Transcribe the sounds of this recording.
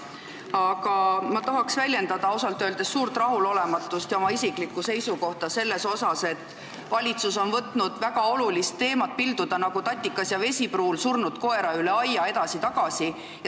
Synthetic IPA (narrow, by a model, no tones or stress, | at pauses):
ɑkɑmɑt̪ɑɦɑksvælʲje̞nd̪ɑd̪̥ɑosɑlt̪ːˑøːld̪e̞sːuːɾt̪rɑɦulo̞le̞mɑt̪ːˑust̪jɑomɑisiklikːˑuse̞jsuko̞ht̪ɑse̞lːe̞so̞sɑse̞t̪ːˑ | vɑlʲit̪suso̞nvɤt̪ˑnud̪̥væɡ̥ɑo̞lulist̪ːe̞ːmɑt̪̚pild̪̥ud̪̥ɑnɑɡ̥ut̪ɑt̪ʲːˑikːˑɑsjɑve̞sʲipruːlsurnut̪ko̞e̞ɾɑyle̞ɑjɑe̞d̪ɑsit̪ɑɡ̥ɑsi | j